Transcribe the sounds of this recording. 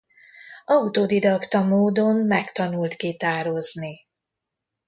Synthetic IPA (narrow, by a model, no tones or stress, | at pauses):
ɒut̪oːd̪id̪ɒkt̪ɒmoːd̪o̞nmɛkt̪ɒnult̪kit̪aːɾo̞zni